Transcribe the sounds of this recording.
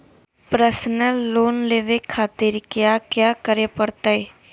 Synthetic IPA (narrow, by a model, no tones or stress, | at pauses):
pɾəsnəlːoːnleːʋekʰaːt̪ɪɾkjakjaːkəɾepəɾt̪aɦe